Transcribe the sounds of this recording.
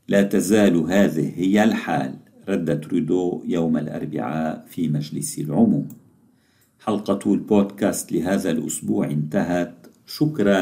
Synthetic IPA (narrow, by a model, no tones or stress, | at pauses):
laːt̪azaːlɦaːðɪ̰hːɪjːalħa̰ːl | ɾˤɑd̪ːat̪ɾʊd̪oːʔjawmalʔɑ̰ɾˤbɪ̰ʕaːʔfiːmad͡ʒlɪsɪlʕʊmuːm | ħɑlqɑt̪lboːd̪kaːst̪lɪɦaːðalʔʊ̰sbuːʕʔɪnt̪aɦat̪ | ʃʊkɾˤɑ